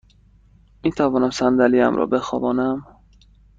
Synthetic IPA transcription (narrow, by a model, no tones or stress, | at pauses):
miːt̪ʰævɒːnæmsænd̪æliːæ̰mɾɒ̰ːbe̞xɒːvɒːnæm